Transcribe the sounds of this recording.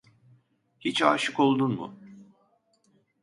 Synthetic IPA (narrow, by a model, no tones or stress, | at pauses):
hit͡ʃaːʃɯko̞lˠd̪unmʊ̰